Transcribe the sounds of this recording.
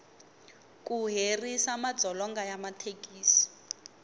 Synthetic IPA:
kʼuɦerisamadd͡zʱɔlɔŋɡajamatʰekiːsi̥

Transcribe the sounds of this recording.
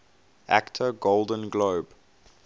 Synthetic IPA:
ʔæ̰ktʰəɡolˠdə̃nɡloːb

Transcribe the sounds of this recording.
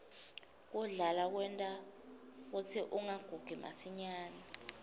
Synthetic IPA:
k̬uɮalak̬wɛntʼa | k̬ut͡sʰiʔuŋaɡ̥ʱuɡ̥ʱima̰siɲaːni

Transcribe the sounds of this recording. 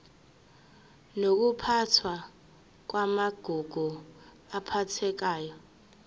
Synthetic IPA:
nok̬upʰatʰwa | k̬wamaɡ̥ʱuɡ̥ʱu | apʰatʰɛk̬aːjɔ

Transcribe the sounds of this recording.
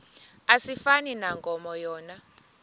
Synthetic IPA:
asifaninaŋɡʱʼɔmɔjɔːna

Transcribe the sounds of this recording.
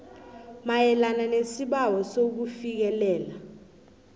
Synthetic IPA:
majɛlananesiɓawɔsok̬ufik̬ɛlɛːla

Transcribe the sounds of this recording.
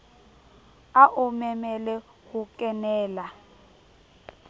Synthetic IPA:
aʔʊmɛmɛlɛ | ɣʊkʼɛnɛːla

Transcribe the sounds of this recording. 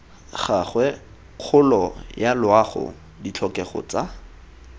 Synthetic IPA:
χaχwɛ | q͡χʰʊlɔjalʊaχʊ̰ | dit͡ɬʰɔkɛχɔ̰t͡sa

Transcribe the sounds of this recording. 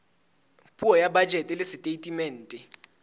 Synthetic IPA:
pʼuɔjabad̥d͡ʒʱɛtʼɛlɪsitʼetʼimɛːntʼɛ

